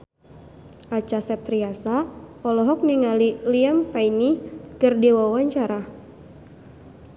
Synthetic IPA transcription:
ʔat͡ʃasɛp̚t̪ɾiasapɔlɔɦɔk̚niŋaliliampainikɨrdiwawaɲt͡ʃaɾa

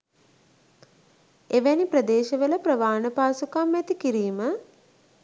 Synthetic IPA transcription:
eʋæniprəd̪eːʃəʋələprəʋaːnəpaːsukamːɛt̪ikiɾiːmə

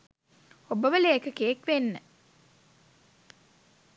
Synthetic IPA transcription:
obəʋəleːkəkeːkʋenːə

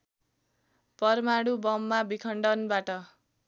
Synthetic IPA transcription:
pʌrmaɽubʌmːabikʰʌɳɖʌnbaʈʌ

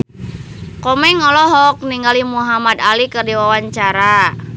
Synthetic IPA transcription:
kɔmɛŋɔlɔɦɔk̚niŋɡalimuɦamad̪alikərdiwawaɲt͡ʃaɾa

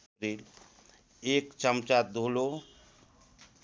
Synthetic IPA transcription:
ɾil | ekt͡ʃəmt͡ʃat̪̚d̪ʱolo

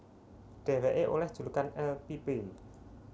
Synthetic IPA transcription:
ɖ̥ɛ̤wɛʔeʔolɛhd̥ʒ̥ṳlukanɛlpipe

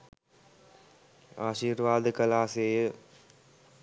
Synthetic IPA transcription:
a̰ːʃiːɾʋaːd̪kɐlaːseːjə

